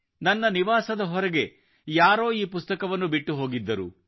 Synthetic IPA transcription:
nɐnːɐniʋaːsɐd̪ɐɦɔɾɛɡe̞ | jaːɾo̞ːiːpust̪ɐkɐʋɐnːubiʈːuɦo̞ːɡid̪ːɐɾṵ

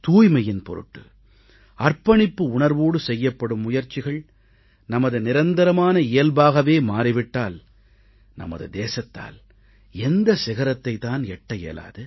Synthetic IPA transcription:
t̪uːjmɐjɪnpɔ̰ɾɯ̰ʈːɯ | ɐrpɐɳɪpːɯʊɳɐɾʋoːɽɯsɛjːɐpːɐɽɯmːʊjɐɾt͡ʃːɪɣɐɭ | nɐmɐðɯnɪɾɐnd̪ɐɾɐmaːnɐɪjɐlbaːɣɐʋeːmaːriʋɪʈːaːl | nɐ̰mɐ̰ðɯd̪eːsɐt̪ːa̰ːl | ɛnd̪ɐsɪɣɐɾɐt̪ːɐɪt̪ːaːnɛʈːɐjɛ̰ːla̰ːðɯ

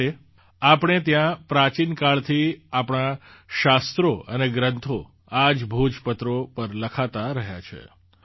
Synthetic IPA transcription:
e | apɳ̃et̪jãpɾat͡ʃinkaɭt̪ʰiapɽ̃aʃast̪ɾoʔəneɡɾənt̪ʰo | ad͡ʒbʱud͡ʒpət̪ɾopəɾləkʰat̪aɾəɦja̰t͡ʃʰḛ

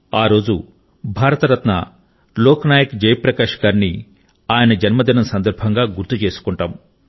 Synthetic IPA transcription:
aːɾo̞ːd͡ʒu | bʱaːɾɐt̪ɐɾɐt̪nɐ̰ | lɔːkɐnaːjɐkd͡ʒɐjpɾɐkaːʂɐ̥kaːɾni | aːjɐnɐd͡ʒɐnmɐd̪inɐmsɐnd̪ɐɾbʱɐŋɡaːɡuɾt̪ːut͡ʃe̞ːsu̥kuɳʈaːm

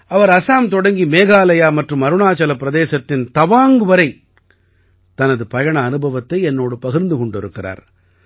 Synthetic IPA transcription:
ɐʋɐɾɐsaːmt̪ɔɽɐŋɡimeːɣaːlɐjaːmɐʈrɯmɐɾɯɳaːt͡ʃɐlɐpːɪɾɐðeːsɐt̪ːɪnt̪ɐʋaːŋɡɯʋɐɾɐɪ | t̪ɐnɐðɯpɐjɐɳɐːnɯbʱɐʋɐt̪ːɐɪɛnːoːɽɯpɐɣɪɾnd̪ɯkɔɳɖɪɾɯkːɪra̰ːɾ

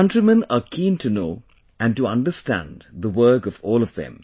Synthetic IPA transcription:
ʌ̃ntɹimə̃nəkʰĩːntʰunoː | ʔæ̃ntuʌ̃nɖəstæ̰̃nðəwɜ˞kʌvɔːlˠʌvðɨ̰̃m

